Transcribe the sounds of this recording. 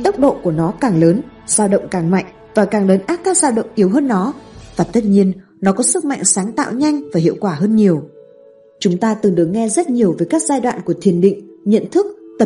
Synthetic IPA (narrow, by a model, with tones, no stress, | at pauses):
t̪ə˦˥wk͡p̚ɗo̰˧˨ku˧˩ənɔ˨˦kaː˨˩ŋləː˨˦n | z̥aː˧wɗə̰˧˨wŋ͡mkaː˨˩ŋma̰˧˨jŋ̟ | vaː˨˩kaː˨˩ŋləː˨˦nʔaː˦˥t̚kːaː˦˥k̚zaː˧wɗə̰˧˨wŋ͡mʔi˨˦əwɦəː˧nːɔ˨˦vaː˨˩t̪ə˦˥t̚ɲi˧ən | nɔ˨˦kɔ˨˦sɨ˦˥k̚ma̰˧˨jŋ̟saː˨˦ŋt̪a̰ː˧˨wɲa˧jŋ̟vaː˨˩hḭ˧˨əwkwaː˧˩ɦəː˧nɲi˨˩əw | t͡ɕʊ˨˦ŋ͡mt̪aː˧t̪ɨ˨˩ŋɗɨ˨˩ək̚ŋɛ˧zə˦˥t̚ɲi˨˩əwvəː˨˦jkaː˦˥k̚zaː˧jɗwa̰ː˧˨nku˧˩ət̪ʰi˨˩ənɗḭ˧˨ŋ̟ɲə̰˧˨nt̪ʰɨ˦˥k̚t̪ə˨˩